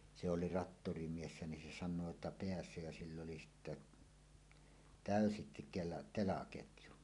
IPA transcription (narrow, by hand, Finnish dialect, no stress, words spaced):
se oli rɑtːorimiesːæ nin se sɑnˑoː etːæ peæsˑø jæ silː oli sitːe tæˑøsi kelɑ telɑketju